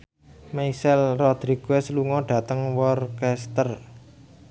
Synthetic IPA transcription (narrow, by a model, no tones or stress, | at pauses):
meisɛlrɔd̪̥ɾiɡ̥wesəluŋɔɖ̥ä̤t̪əŋwɔrkɛst̪ər